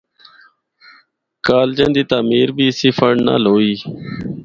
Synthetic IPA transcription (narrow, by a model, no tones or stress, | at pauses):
kaːld͡ʒə̃nd̪iːt̪aːmiːɾbʱiːsifəɳna̰ːloːiː